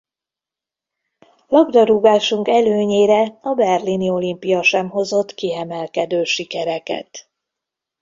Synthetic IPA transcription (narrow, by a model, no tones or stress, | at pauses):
lɒɡd̪ɒɾuɡaːʃuŋkɛløːɲeːɾɛɒbɛrlinio̞limpijɒʃɛmɦo̞zo̞t̪ːkiɛmɛlkɛd̪øːʃikɛɾɛkɛ̰t̪